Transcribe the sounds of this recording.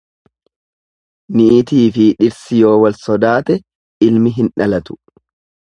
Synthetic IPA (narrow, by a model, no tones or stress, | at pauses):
niʔt̪iːfɪᶑɪɾsɪjo̞ːwɐlsɔd̪aːt̪ɛ | ɪlmɪɦɪnᶑɐlɐt̪ʊ̥